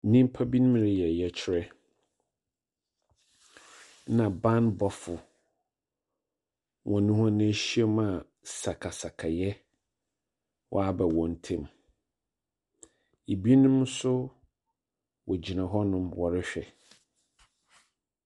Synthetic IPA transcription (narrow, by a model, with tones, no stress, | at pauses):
nĩ˦m̩˦pʰa˦bi˦nʊ̃˦m˦ɾɪ˨jɛ˨jɛ˨t͡ɕʰɪ˦ɾɛ˦ | nã˨bã˦nbɔ˨fʊ˨ | wʔɔ̃˨nʊ̃˦ɦɔ̃˦ñ˦ɕi˦ɛ˦ma˨ | sa˨kʰa˨sa˨kʰa˨jɛ˦ | wʔɔ̰˦a˨bɛ˨wɔ̃˨n̩˨˦tʰẽ˦m | e˨bi˦i˦nʊ̃˦m˦sʊ˦ | wɔ˨d͡ʑi˨nã˨ɦɔ˦nʊ̃˦mwɔ˨ɾɪ˦ɕᶣɛ˨